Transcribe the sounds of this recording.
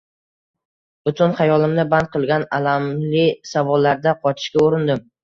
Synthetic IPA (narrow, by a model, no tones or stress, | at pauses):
b̥ʊt̪ʰʊnχajɒlˠɪmnɪband̪̚qʰɨlˠɡʲanalamlɪsavɒlːaɾd̪aqʰɒt͡ʃʰɪ̥ʃkʲaoɾɪnd̪ɪm